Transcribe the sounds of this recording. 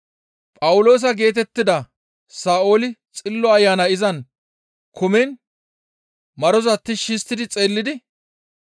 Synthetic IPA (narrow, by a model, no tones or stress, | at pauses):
pʼɐwʊlo̞ːs̬ɐɡe̞ːt̪̬ɛt̪ːɪd̪ɐ | saːo̞ːlɪt͡sʼɪlːɔɐjːaːnɐɪzɐn | kʰʊmɛn | mɐɾɔzɐt̪ːɪʃɪst̪ːɪd̪ɪt͡sʼe̞ːlːɪd̪ɪ